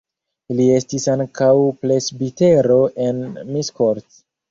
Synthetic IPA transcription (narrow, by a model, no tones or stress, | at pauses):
lie̞stisaŋkawple̞sbite̞ɾo̞ʔe̞nmiskoɾt